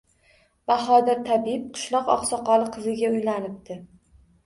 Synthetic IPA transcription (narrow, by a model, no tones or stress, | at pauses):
b̥aχɒd̪ɪɾt̪ʰabiɪp̚qʰɨ̥ʃlˠɒqɒ̰qsɒqɒlˠɨqʰɨzɪɡʲaʊjlanɪp̚t̪ɪ